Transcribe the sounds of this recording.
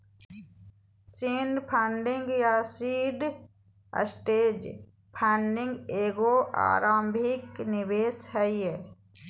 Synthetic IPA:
sinɖpʰãːɳɖɪ̃ŋɡjasiːɖ | ə̰sʈeːd͡ʒ | pʰɛ̃ːɳɖɪ̃ŋɡeːɡoʔa̰ːɾaːmbʱɪknɪbeːshɛieː

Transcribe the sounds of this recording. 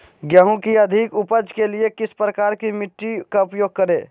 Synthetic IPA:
ɡjəɦũkiəd̪ʱikupəd͡ʒkeliekɪspɾəkaːɾkimɪʈːikaupjoːɡ̚kəɾe

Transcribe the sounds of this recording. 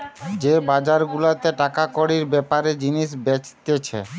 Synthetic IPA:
d͡ʑebad͡ʑaɾɡulat̪eʈakakoɽiɾbɛpaɾed͡ʑiniʃbet͡ɕt̪et͡ɕʰḛ

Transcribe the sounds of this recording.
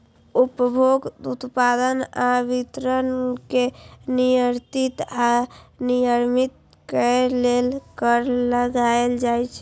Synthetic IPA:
upəbʱoɡd̪ut̪pad̪ənabit̪ɾənkenijəɾt̪it̪anijəɾmit̪̚ | kəlelkəɾləɡaeld͡ʒajt͡ʃʰɛ

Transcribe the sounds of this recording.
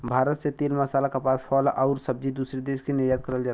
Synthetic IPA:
bʱaːɾət̪set̪eːlməsaːlakəpaːɾpʰɔlɔʊɾsəb̚d͡ʒid̪usɾed̪eːskinɪɾjat̪̚kəɾəld͡ʒaː

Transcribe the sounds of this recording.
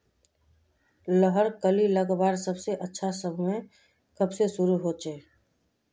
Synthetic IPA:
ləɦəɾkəliləɡbaːɾsəbseʔətːʃʰasəbmẽ | kəbsesʊɾuɦot͡ʃeː

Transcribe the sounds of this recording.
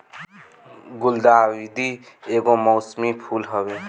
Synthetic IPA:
ɡuld̪aːwid̪i | eɡomɔwsmipʰulɦəbi

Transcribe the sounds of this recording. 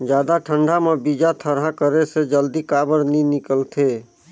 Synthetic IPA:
d͡ʒjaːd̪aʈʰəɳɖʱamẽbid͡ʒat̪ʰəɾɦakəɾesed͡ʒəld̪ikaːbəɾninɪkəlt̪ʰe

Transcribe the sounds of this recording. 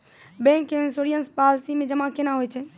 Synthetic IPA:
bɛ̃ŋkensoɾijənspalsimẽd͡ʒəmãkenaɦojt͡ʃʰɛ

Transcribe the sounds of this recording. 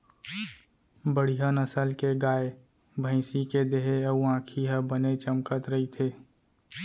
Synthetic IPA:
bəɽ̤ijanəsəlkeɡaːe | bʱə̃ɪ̃siked̪eɦeəuãːkʰiɦəbənet͡ʃəmkət̪ɾəɦit̪ʰeː

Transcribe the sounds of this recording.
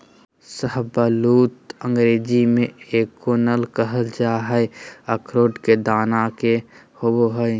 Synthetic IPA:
səɦbaluːt̪ə̃ŋɡɾeːd͡ʒimẽeːkːoːnəlkəɦəld͡ʒaɦɛəkʰɾoːʈked̪aːnake | hoboɦəe

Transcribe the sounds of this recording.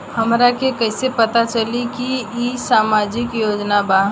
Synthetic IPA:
hɐmɾakekɐːɪsepɐt̪at͡ʃɐlikiisaːmaːd͡ʒɪkjoːd͡ʒnabaː

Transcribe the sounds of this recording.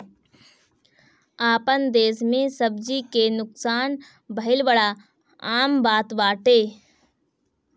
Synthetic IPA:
aːpənd̪eːsmẽsəbd͡ʒikenʊksaːn | bəɦɪlbəɽa | aːmbaːt̪baːʈeː

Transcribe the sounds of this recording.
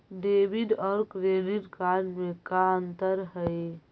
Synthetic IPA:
ɖebiɖɔːɾkɾeɖiʈkaɾmẽkaənt̪əɾɦəj

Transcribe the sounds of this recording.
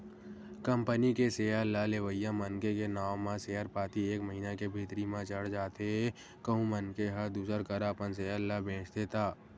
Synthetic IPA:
kə̃mpənikeseːjalaleʋəjːamənkekenaːʋmãseːjəɾpaːt̪ieːkməɦiːnakebʱiːt̪ɾimãt͡ʃəɽd͡ʒaːt̪eɦe | kəɦũmənkeɦəɾd̪uːsəɾkəɾapəns̬eːəlabʱẽːt͡ʃt̪et̪ʰaː

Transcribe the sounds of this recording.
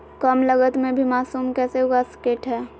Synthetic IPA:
kəmləɡət̪mẽbʱimaːsuːmkɛːseɦoːɡaskeːʈɦɛː

